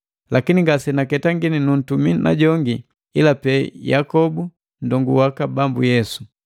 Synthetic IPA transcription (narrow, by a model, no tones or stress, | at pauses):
lakiniŋɡasɛnakɛtaŋɡininun̩tumina̰ɟɔŋɡi | ilapɛjakɔbu | ndɔŋɡuwakabambujɛsu̥